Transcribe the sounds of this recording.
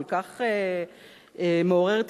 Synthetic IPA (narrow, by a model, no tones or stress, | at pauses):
lkaχe | emeo̞ʁeʁt̪